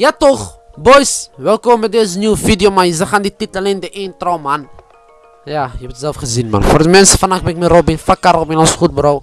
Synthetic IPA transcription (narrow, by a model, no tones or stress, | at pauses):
jatoχbojsʋɛlˠkɔmmɛdeːzənjuːəfidjomanjəzaxandititlalendəʔeːnt̪rɔwman | jajəɛbətzɛlfχəzinma̰nfordəmɛnsəfanak̚bɛɛkmiɾowbɪnfakːaɾɔbɪnɔnsχut̚bəɾɔw